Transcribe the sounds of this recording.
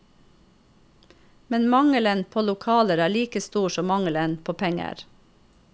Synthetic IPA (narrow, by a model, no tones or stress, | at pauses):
mɛnmɑŋələnpʰoːlʊkʰɑːləɾæːɭiːkəst̪uːʃɔmɑŋələnpʰoːpʰɛŋə̰ɾ